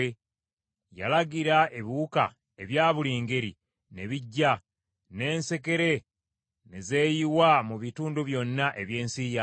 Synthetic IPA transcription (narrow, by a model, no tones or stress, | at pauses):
e | ja̰laɡiɾae̞βiwuka̰ | e̞βjaːβuliːŋɡe̞ɾi | ne̞βiɟːa | ne̞ːnse̞ke̞ɾe̞ | neze̞ːjiwamuβituːnduβjo̞nːaʔe̞βje̞ːnsiːja